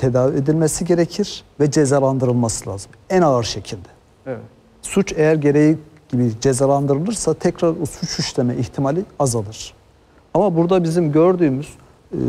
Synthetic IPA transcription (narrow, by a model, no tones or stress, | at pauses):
t̪ʰe̞d̪aːvied̪ilʲmesiɟe̞ɾecʰiɾ̥vɛd͡ʒezalˠand̪ɯɾɯlˠmasɯlʲˠa̰ːzɯmænaɯɾʃecʰilʲd̪ɛ̥ | ɛɛ | sut͡ʃejæɾɟe̞ɾeji | ɟ̥ibid͡ʒezalˠand̪ɯɾɯlˠɯɾsat̪ʰɛcɾaɾosut͡ʃʰyʃlʲemɛiçt̪ʰimalʲiazalˠɯɾ̥ | amabuɾd̪abizimɟøɾd̪yːmyz̥